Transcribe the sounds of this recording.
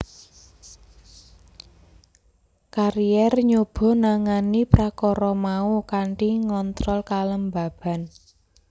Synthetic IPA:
kaɾijɛrɲub̥ɔ̤naŋanipɾakɔɾɔmaukaɳʈiŋɔnt̪ɾɔlkaləmba̤b̥a̤n

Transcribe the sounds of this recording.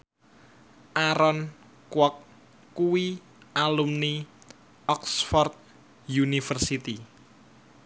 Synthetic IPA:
ʔaɾɔn | kwɔkː | uwi | ʔalumni | ɔksfɔrt̪̚ | junifərsit̪i

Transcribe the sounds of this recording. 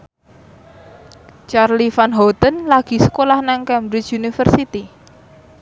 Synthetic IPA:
t͡ʃarlifanɦɔt̪ənlaɡ̥i̤sə̥kolahnaŋkɛmbɾɪt͡ʃunifərsit̪i

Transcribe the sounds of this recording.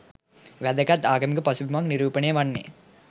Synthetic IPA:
ʋæd̪ɐkɐt̪ːaːɡɐmikɐpɐsuʋimakniɾuːpɐneːʋɐnːḛː

